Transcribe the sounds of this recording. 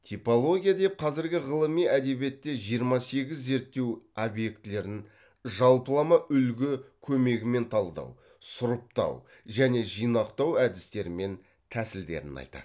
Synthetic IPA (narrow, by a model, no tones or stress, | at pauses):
t̪ʰipo̞lˠo̞ɡʲijad̪e̞p̚qʰɑzɪɾɡʲɪʁəlˠəmijæd̪e̞bje̞t̪ːe̞ʒijəɾmɑse̞ɡʲɪzːe̞ɾt̪ːe̞wobje̞kt̪ɪle̞ɾɪn | ʒɑlˠpəlˠɑmɑʔʏlɡʲɪkʲʰɵme̞ɡʲɪme̞nt̪ʰɑlˠd̪ɑ̰w | sʊɾəp̚t̪ɑ̰w | ʒæne̞ʒijnɑqt̪ɑwæd̪ɪst̪e̞ɾɪme̞n | t̪ʰæsɪld̪e̞̰ɾɪ̰nɑ̰jt̪ɑ̰